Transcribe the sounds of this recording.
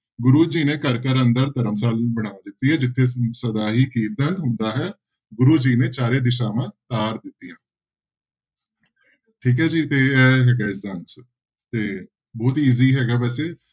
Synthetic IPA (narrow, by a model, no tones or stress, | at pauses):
ɡʊɾuːd͡ʒiːnẽːkəɾkəɾənd̪əɾt̪əɾəmsaːlbəɽ̃aːʋ̃d̪ɪt̪ːiːɦɛːd͡ʒɪt̪ʰːeːsəd̪aːɦiːkiːt̪ənɦʊ̃nd̪aːɦɛː | ɡʊɾuːd͡ʒiːneːt͡ʃaːɾeːd̪ɪʃaːmãːt̪aːɾd̪ɪt̪ːɪjãː | ʈʰiːkɦɛːd͡ʒiːt̪eːɛːɦɛːɡaːɪzd̪aːnt͡ʃ | t̪eː | bɔːt̪iːziːɦɛːɡaːʋɛːseː